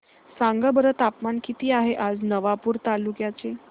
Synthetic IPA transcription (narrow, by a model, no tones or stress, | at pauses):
saŋɡəbəɾət̪apmankit̪iːaɦeʔad͡znəʋapuːɾt̪alukjat͡se